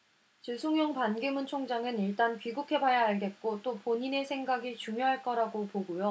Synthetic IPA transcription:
t͡ɕisʰoŋjoŋpanɡimunt͡ɕʰoŋd͡ʑaŋɯniɭt͈anpɥiɡukʰe̞bajaɦaɭde̞t̚k͈ot͈opoɲine̞sʰe̞ŋɡaɡit͡ɕuŋjoɦaɭk͈ʌɾaɡopoɡujo

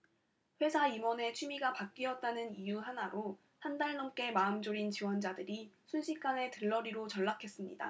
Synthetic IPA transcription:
ɸwe̞sʰaimwʌne̞t͡ɕʰimiɡapak̚k͈iʌt̚t͈anɯnijuɦanaɾo | handaɭnʌmk͈e̞maɯmd͡ʑoɾint͡ɕiwʌnd͡ʑadɯɾisʰunɕʰik̚k͈ane̞tɯɭːʌɾiɾot͡ɕʌɭːakʰe̞s͈ɯmɲḭda̰

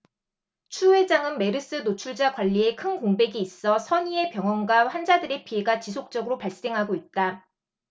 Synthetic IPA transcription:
t͡ɕʰue̞d͡ʑaŋɯnme̞ɾɯs͈ɯnot͡ɕʰuɭd͡ʑakwaʎːie̞kʰɯnkoŋbe̞ɡiːs͈ʌsʰʌɲie̞pjʌŋɦʌnɡwaɸand͡ʑadɯɾe̞pʰie̞ɡat͡ɕisʰok̚t͡ɕ͈ʌɡɯɾopaɭs͈e̞ŋɦaɡoit̚t͈a

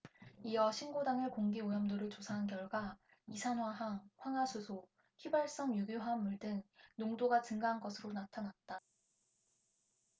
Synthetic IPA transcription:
iʌɕʰinɡodaŋɯɭkoŋɡiojʌmdoɾɯɭt͡ɕosʰaɦankjʌɭɡwa | isʰanwaɦaŋɸwaŋasʰusʰo | çibaɭs͈ʌŋjuɡjoɦanːuɭdɯŋnoŋdoɡat͡ɕɯŋɡaɦanɡʌsʰɯɾonatʰanat̚t͈a

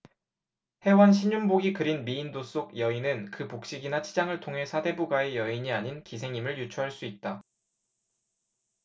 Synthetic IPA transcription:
he̞wʌnɕʰiɲumboɡikɯɾinmiːndos͈oɡjʌinɯnkɯpok̚ɕ͈iɡinat͡ɕʰid͡ʑaŋɯɭtʰoŋɦe̞sʰade̞buɡae̞jʌiɲiaɲinkisʰe̞ŋimɯɭjut͡ɕʰuɦaɭs͈uit̚t͈a

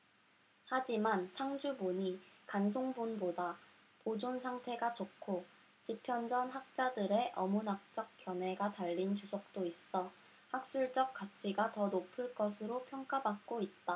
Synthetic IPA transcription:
had͡ʑimansʰaŋd͡ʑuboɲikans̬ʰoŋbunboda | pod͡ʑonsʰaŋtʰe̞ɡat͡ɕokʰo | t͡ɕipʰjʌnd͡ʑʌnɦak̚t͡ɕ͈adɯɾe̞ʔʌmunak̚t͡ɕ͈ʌk̚k͈jʌne̞ɡataʎːint͡ɕusʰʌk̚t͈ois͈ʌ | hak̚s͈uɭt͡ɕ͈ʌk̚k͈at͡ɕʰiɡatʌnopʰɯɭk͈ʌsʰɯɾopʰjʌŋk͈abak̚k͈oit̚t͈a

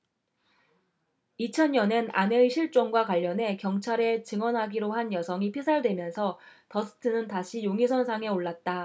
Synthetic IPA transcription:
it͡ɕʰʌnjʌne̞naneiɕʰiɭt͡ɕ͈oŋɡwakwaʎːʌne̞kjʌŋt͡ɕʰaɾet͡ɕɯŋwʌnɦaɡiɾoɦanjʌsʰʌŋipʰisʰaɭdwe̞mjʌnsʰʌtʌsʰɯ̥tʰɯnɯntaɕʰijoŋisʰʌnsʰaŋe̞oɭːat̚t͈a

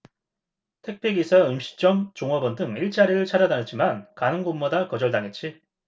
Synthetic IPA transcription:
tʰe̞k̚pʰeɡisʰaɯmɕʰi̥t͡ɕ͈ʌmt͡ɕoŋʌbʌndɯŋiɭt͡ɕ͈aɾiɾɯɭt͡ɕʰad͡ʑadanɯt̚t͡ɕ͈imankanɯŋɡonmːʌdakʌd͡ʑʌɭdaŋet̚t͡ɕ͈i

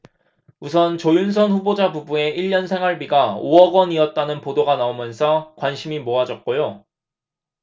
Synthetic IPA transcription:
us̬ʰʌnt͡ɕojuns̬ʰʌnɸubod͡ʑabubue̞ʔiʎːʌnsʰe̞ŋwaɭbiɡaoʌɡwʌniʌt̚t͈anɯnpodoɡanaomjʌnsʰʌkwanɕʰimimoad͡ʑʌt̚k͈ojo

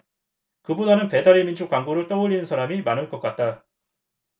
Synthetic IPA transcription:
kɯbudanɯnpe̞daɾemind͡ʑukwaŋɡuɾɯɭt͈ʌoʎːinɯnsʰaɾamimanɯɭk͈ʌk͈at̚t͈a

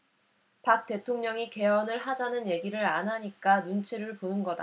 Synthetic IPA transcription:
pak̚t͈e̞tʰoŋɲʌŋike̞ʌnɯɭɦad͡ʑanɯnje̞ɡiɾɯɾanɦaɲik͈anunt͡ɕʰeɾɯɭponɯnɡʌda̰

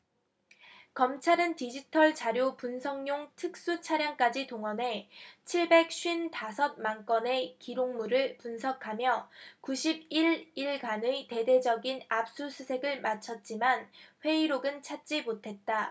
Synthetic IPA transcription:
kʌmt͡ɕʰaɾɯntid͡ʑitʰʌɭt͡ɕaɾjopunsʰʌŋɲoŋtʰɯk̚s͈ut͡ɕʰaɾjaŋk͈ad͡ʑitoŋʌne̞t͡ɕʰiɭbe̞k̚ɕ͈ʰɥintasʰʌt̚maŋk͈ʌne̞kiɾoŋmuɾɯɭpunsʰʌkʰamjʌkuɕʰib̚iɾiɭkanɯite̞de̞d͡ʑʌɡinap̚s͈usʰusʰe̞ɡɯɭmat͡ɕʰʌt̚t͡ɕ͈imanɸwe̞iɾoɡɯnt͡ɕʰat̚t͡ɕ͈imotʰe̞t̚t͈a

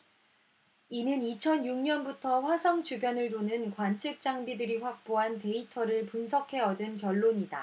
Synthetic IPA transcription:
inɯnit͡ɕʰʌnjuŋɲʌnbutʰʌɸwasʰʌŋt͡ɕubjʌnɯɭtonɯnkwant͡ɕʰɯk̚t͡ɕ͈aŋbidɯɾiɸwak̚p͈oɦante̞itʰʌɾɯɭpunsʰʌkʰe̞ʌdɯnkjʌɭːoɲida̰

